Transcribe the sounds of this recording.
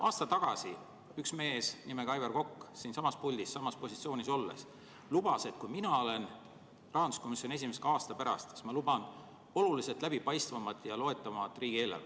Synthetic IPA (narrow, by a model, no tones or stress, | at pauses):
ʔɑːst̪ɑt̪ɑɡ̥ɑ̰si | yksme̞ːsnime̞kɑjberko̞kːsiːnsɑmɑspulʲd̪issɑmɑspo̞sit̪sio̞ːniso̞lːe̞̰s | lub̥ɑse̞t̪kujminɑo̞le̞n | rɑɦɑnd̪usko̞misʲːjo̞nʲe̞s̬ʲimeseɡ̥ɑɑːst̪ɑpæɾɑ̰st̪kɑ̥smɑlubɑn | o̞lulise̞lt̪læb̥ipɑjst̪vɑmɑt̪ːˑjɑlo̞e̞t̪ːˑɑmɑt̪ːˑriːɡ̥ie̞ːlːɑ̰l